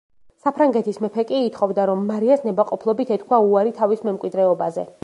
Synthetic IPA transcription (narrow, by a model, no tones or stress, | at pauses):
sapʰɾaŋɡɛt̪ʰismɛpʰɛkʼiːt̪ʰχɔvd̪aɾɔmːaɾiasnɛbaqʼɔpʰlˠɔbit̪ʰɛt̪̚ʰkʰwauaɾit̪ʰavismɛmkʼwid̪ɾɛɔbazɛ